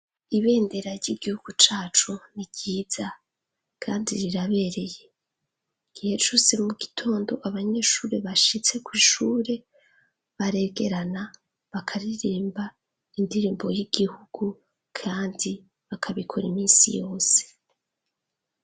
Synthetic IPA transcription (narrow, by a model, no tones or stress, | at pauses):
iβe̞ːnde̞ɾaɾɟiɡ̥ihuɡ̥ut͡ʃaːt͡ʃuniɟiːz̥a | kʰaːndiɾiɾaβe̞ɾe̞je̞ | ɡ̥ihe̞t͡ʃuse̞muɡitʰo̞ːndo̞̰ʔaβaɲe̞ʃuːɾe̞βaʃit͡se̞kwiʃuːɾe̞ | βaɾe̞ɡe̞ɾana | βakʰaɾiɾiːmba | indiɾiːmbo̞jiɡ̥ihuɡ̥u | kʰaːndi | βakʰaβikʰoɾimiːsḭjo̞ːse̥